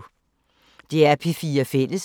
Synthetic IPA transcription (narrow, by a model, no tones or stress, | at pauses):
d̥eæɐpʰifiːɐfel̰əs